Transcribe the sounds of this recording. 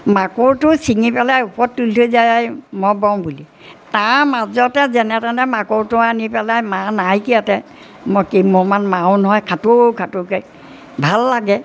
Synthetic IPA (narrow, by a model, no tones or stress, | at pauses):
makoɹtʊsiŋipɛlajupɔtːultojzajajmɔbɔŋbuli | taɹmazɔtɛzɛnɛtanɛmakoɹtʊanipɛlajmanajkiatɛ | mɔkimɔmanmawnɔɦɔjkʰatokʰatʊkej | bʱalːaɡɛ